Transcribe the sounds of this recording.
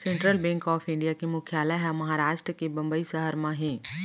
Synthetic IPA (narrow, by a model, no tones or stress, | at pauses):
sẽɳʈɾəlbɛ̃ːŋkɔːfʰɪ̃ɳɖijakimʊkʰjaːlaɦɛmɐɦaɾaːʃʈɾəkebɐ̃mbəisɐɦəɾmãɦɛ̃ː